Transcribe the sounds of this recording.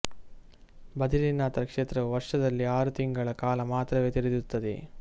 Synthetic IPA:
bɐd̪ʱilinaːt̪ɾɐkʂeːt̪ɾɐʋuʋɐɾʂɐd̪ɐlːiaːɾut̪iŋɡɐɭɐkaːlɐmaːt̪ɾɐʋeːt̪iɾid̪ut̪ːɐd̪ḛ

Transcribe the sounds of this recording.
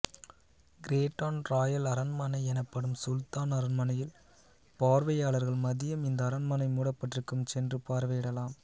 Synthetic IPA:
ɡɪɾeːʈːaːnɾaːjɐlɐɾɐnmɐnɐɪɛnɐpːɐɽɯmsʊlt̪aːnɐɾɐnmɐnɐjɪl | paːɾʋɐjaːɭɐɾɣɐɭmɐðɪjɐmɪnd̪ɐːɾɐnmɐnɐɪmuːɽɐpːɐʈːrɯkːɯmsɛndrɯpaːɾʋɐːɪɽɐlaːm

